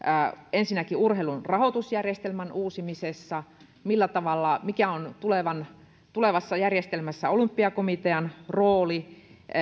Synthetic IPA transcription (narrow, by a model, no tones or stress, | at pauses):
ensinːækiurheilunrɑhot̪usjærjest̪elmænʔuːsimisesːɑ | milːæt̪ɑʋɑlːɑmikæont̪uleʋɑn | t̪uleʋɑsːɑjærjest̪elmæsːæolympːiɑkomit̪eɑnroːli